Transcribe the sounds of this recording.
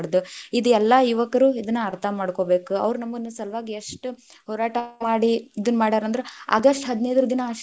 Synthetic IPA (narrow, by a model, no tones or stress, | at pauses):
ɽd̪uid̪uɛlːɐjuʋɐkɐɾuid̪ɐnːuɐɾt̪ʰɐmaːɽko̞ːbe̞ːkuɐ̰ʋɾunɐmːɐnːusɐlʋaːɡieʂʈu | hɔːɾaːʈɐmaːɽiid̪ɐnːmaːɽid̪aːɾɐnd̪ɐɾea̰ːɡɐʂʈɦɐd̪nejd̪ɐɾɐd̪inɐʂ